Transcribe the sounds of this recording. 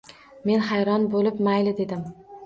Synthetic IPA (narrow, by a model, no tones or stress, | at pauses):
me̞nɦajɾɒnbolɪpmajlɪd̪e̞d̪ɪm